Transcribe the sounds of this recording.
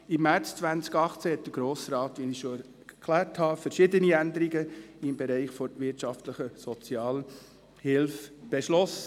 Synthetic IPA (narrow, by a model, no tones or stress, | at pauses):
ɪmːæɾt͡st͡svænt͡skɑχt͡sɛhɛt̚d̥əɾɡ̥ɾoːsɾɑːt̪ʋiniʃoɛ | kʰlæːɾthɑfəɾʃɪd̪əniænd̪əɾiɡəɪmbɛɾɛɪχfɔɾʋɪtʃɑft̪ləχəsɔt͡sjɑːl | hɪlfb̥ɛʃlɔsə